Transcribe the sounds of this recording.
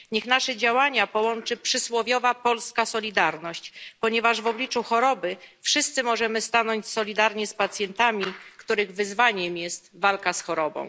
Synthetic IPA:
ɲɛxnaʂɛd͡ʑawaɲapɔwɔnt͡ʂɘpʂɘswɔvʲjɔvapɔlskasɔlʲid̪aɾnɔɕt͡ɕpɔɲɛvaʐvɔblʲit͡ʂuxɔɾɔbɘfʂɘst̪sɘmɔʐɛmɘst̪anɔɲt͡ɕsɔlʲid̪aɾɲɛspat̪sʲjɛnt̪amʲikt̪uɾɘɣvɘzvaɲɛmjɛst̪valkasxɔɾɔbɔ̰̃w̃

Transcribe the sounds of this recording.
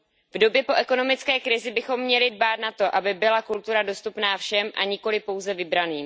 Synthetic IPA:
vdo̞bjɛpo̞ʔɛko̞no̞mɪt͡skɛːkɾɪzɪbɪxo̞mːɲɛlɪdbaːt̪nat̪o̞ʔabɪbɪlakult̪uɾado̞st̪upnaːfʃɛmʔa̰ɲɪko̞lɪpo̞wzɛvɪbɾaniːm

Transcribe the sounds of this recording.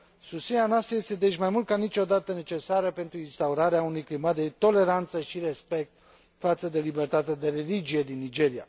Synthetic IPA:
susineanoast̪ɾəje̞st̪e̞d̪eʃʲmajmult̪̚kanit͡ʃo̞d̪at̪əne̞t͡ʃe̞saɾəpe̞nt̪ɾuinst̪auɾaɾeaunujklimat̪̚d̪et̪o̞le̞ɾant̪səʃiɾe̞spe̞k̚t̪̚ | fat̪səd̪e̞libe̞rt̪at̪ed̪e̞ɾelid͡ʒije̞d̪inːid͡ʒe̞ɾija̰

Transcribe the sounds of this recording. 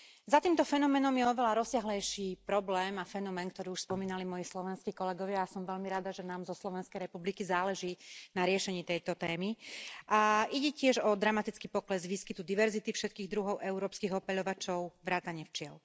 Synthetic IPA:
zat̪iːmt̪ɔfɛnɔmɛːnɔmjɛɔʋɛʎaɾɔsɪaɦlɛjʃiːpɾɔblɛːmafɛnɔmɛːnkt̪ɔɾiːuʃspɔmiːnalimɔjislɔʋɛnskiːkɔlɛɡɔʋɪaːsɔmʋɛʎmiɾad̪aʒɛnaːmzɔslɔʋɛnskɛjɾɛpublikizaːlɛʒiːnaɾɪɛʃɛɲiːt̪ɛjt̪ɔt̪ɛːmiʔaʔiɟɛcɪɛʒɔd̪ɾamat̪it͡skipɔklɛzʋiːskit̪ud̪iʋɛɾzit̪ifʃɛt̪̚kiːɣd̪ɾuɦɔʊʔɛuɾɔːpskiːɣɔpɛʎɔʋat͡ʃɔʊʋɾaːt̪aɲɪɛft͡ʃɪɛl

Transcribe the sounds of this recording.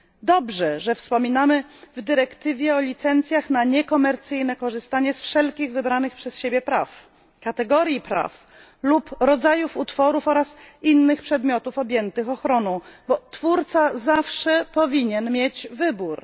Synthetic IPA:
d̪ɔbʐɛʐɛfspɔmʲinamɘvd̪ɘɾɛkt̪ɘvʲjɛɔlʲit̪sɛnt̪sʲjaxnaɲɛkɔmɛɾt̪sɘjnɛkɔʐɘst̪aɲɛsfʂɛlkʲiɣvɘbɾanɘxpʂɛsɕebʲjɛpɾa̰f | kat̪ɛɡɔɾjipɾa̰f | lupɾɔd̪zajufut̪fɔɾufɔɾasinːɘxpʂɛd̪mʲjɔt̪ufɔbʲjɛnt̪ɘxɔxɾɔnɔ̃w̃bɔt̪fuɾt̪sazafʂɛpɔvʲiɲɛnmʲjet͡ɕvɘbuɾ

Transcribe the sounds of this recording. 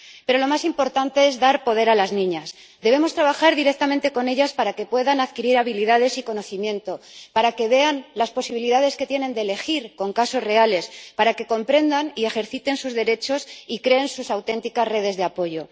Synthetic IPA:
pe̞ɾo̞lo̞masimpo̞ɾt̪ant̪e̞e̞zðaɾpo̞ð̞e̞ɾalaznĩɲas | d̪e̞β̞e̞mo̞st̪ɾaβaxaɾðiɾe̞k̚t̪amẽnt̪e̞ko̞ne̞ʎaspaɾake̞pwe̞ðanaðkiɾiɾaβ̞iliðaðe̞siko̞no̞θimjẽ̞nt̪o̞paɾake̞βe̞anlaspo̞siβiliðað̞e̞ske̞t̪je̞ne̞nd̪ele̞xiɾko̞ŋkaso̞zre̞ale̞spaɾake̞ko̞mpɾe̞nd̪anie̞xe̞ɾθit̪e̞nsuzðe̞ɾe̞t͡ʃo̞sikɾe̞ːnsusawt̪e̞nt̪ikazre̞ð̞e̞zðe̞apo̞ʝo̞

